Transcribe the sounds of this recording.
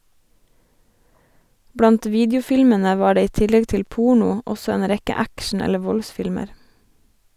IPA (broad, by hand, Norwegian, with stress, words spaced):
ˈbɽɑnt ˈʋiːdjʊˌfɪlmənə ˈʋɑː ˈɖeː ˈiː ˈtɪlɛɡ ˈtɪl ˈpʊɳʊ ˈɔsɔ ˈeːn ˈɾɛkə ˈækʃɳ̩ ˈɛlə ˈʋɔlˌsfɪlməɾ